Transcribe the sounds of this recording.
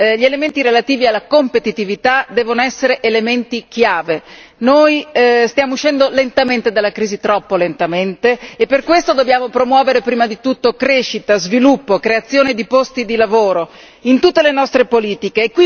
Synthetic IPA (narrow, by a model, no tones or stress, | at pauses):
ʎielement̪iɾelat̪iːvialːakompet̪it̪ivit̪ad̪ɛːvonoɛsːeɾeʔelement̪ik̟jaːve | nojst̪jaːmouʃːɛnd̪olent̪ament̪ed̪alːakɾiːzit̪ɾɔpːolent̪ament̪eːpːerkwest̪od̪objaːmopɾomwɔːveɾepɾiːmad̪it̪ut̪ːokɾeʃːit̪azvilupːokɾeat̪sːjoːned̪ipost̪id̪ilavoːɾo | int̪ut̪ːelenɔst̪ɾepoliːt̪ikeːkːwi